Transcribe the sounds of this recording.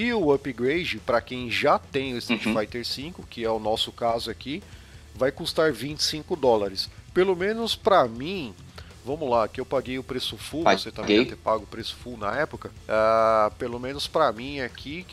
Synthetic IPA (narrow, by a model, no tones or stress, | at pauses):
ɪʊɐpiɡɾejd͡ʒɪpɾɐkẽj̃ʒat̪ẽj̃ʊɪst̪et͡ʃfajt̪eɾsĩkʊkɪɛʊnɔsʊkazʊaki | vajkust̪aɾvĩt͡ʃɪ̥sĩkʊd̪ɔlaɾɪspelomẽnʊspɾɐmĩ | vɐ̃mʊlakɪewpaɡejʊpɾesʊfuaoset̪ɐ̃meɡẽvt̪ɛpaɡʊʊpɾesʊ̥funɐ̰ɛpʊkɐ | apelomẽnʊspɾɐmĩakʰi